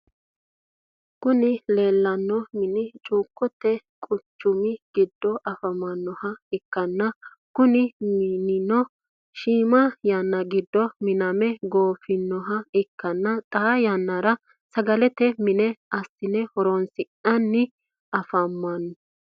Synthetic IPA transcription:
kʊnɪle̞ːlːɐnːɔmɪnɪt͡ʃʼuːkːʊt̪ːɛkʼʊt͡ʃːʊmɪɡ̥ɪd̪ːɔʔɐfɐmɐnːɔhɐɪkːɐnːɐ | kʊnɪmɪnɪnɔ | ʃiːmɐjɐnːɐɡɪd̪ːɔmɪnɐmɛɡoːfɪnːɔɦɐɪkːɐnːɐt̪ʼɐjɐnːɐɾɐ | sɐɡɐlɛt̪ɛmɪnɛʔɐsɪnɛhɔɾɔnsɪʔɐnːɪ | ɐfɐmːɐnːɔ

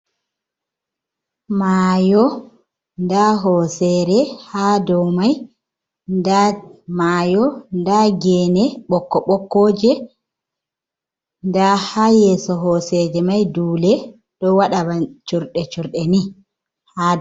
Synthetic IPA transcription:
majɔ | ndaɦɔsɛɾɛhadɔmaj | damajɔndaɡɛːnɛɓɔkːɔɓɔkːɔːd͡ʒɛ | ndahajɛːsɔɦɔsɛd͡ʒɛmajduːlɛ | ɗɔwaɗabat͡ʃuɾɗɛt͡ʃuɾɗɛni | ha

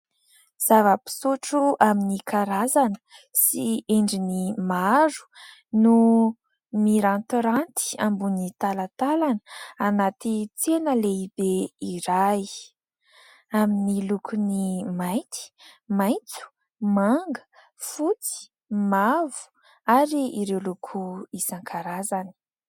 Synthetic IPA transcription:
z̥avəpi̥suʈ͡ʂuʔaminikaɾazanə̥sieɳɖ͡ʐinimaɾu̥ | nu | miɾant̪ɾant̪i̥a̰mbunit̪alat̪alanəanat̪it͡senəleibeiɾaj | aminilukʰunimajnt̪i̥majnt͡su̥ | maŋɡə̥ | fut͡si̥ | mavu̥ | aɾiiɾewlukʰuisaŋkʰaɾazanə̥

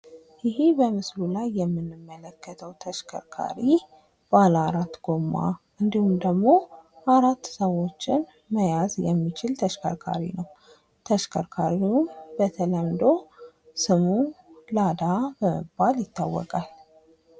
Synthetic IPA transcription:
jɪhibəmɨslulajːɛmːɨnːɨmːələkːət̪ʰəwt̪ʰəʃkʰə̰ɾkʰa̰ɾi | b̥alaɾat̪ːɡomːa̰ʔɨnd̪ihumd̪əɡmo̞ʔaɾat̪ːsəwo̞t͡ʃːɪn | məjazjɛmːit͡ʃɪlt̪ʰəʃkʰə̰ɾkʰa̰ɾḭnəw | t̪ʰəʃkʰəɾkʰaɾiunbət̪ʰələmd̪o̞ | sɨmulad̪abəmə̰baljɪt̪ʰːa̰wːɔ̰kʼal

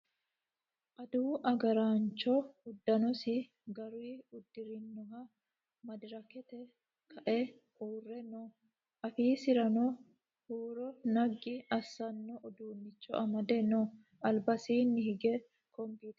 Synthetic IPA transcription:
ʔɐd̪uːʔɐɡɐɾaːnt͡ʃːɔʊd̪ːɐnɔsɪ | ɡɐɾiːʊd̪ːɪɾɪnːɔhɐ | mɐd̪ɪɾɐkɛt̪ɛ | kʰɐʔɛ | huːrːɛnɔ | ʔɐfiːsɪɾɐno | huːɾɔnɐɡːɪʔɐsːɐnːɔʔɔd̪uːnːɪt͡ʃːɔ̰ʔɐmɐd̪ɛnɔ | ɐlbɐsiːnːɪhɪɡɛ | kɔmbiːt̪

